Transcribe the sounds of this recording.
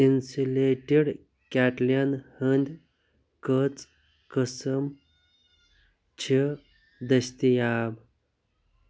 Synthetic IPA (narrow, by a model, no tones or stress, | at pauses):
insuleʈiɽ | kʲaʈljənhənd̪ʲ | kət͡s | kəsəm | t͡ɕʰi | d̪əst̪ijab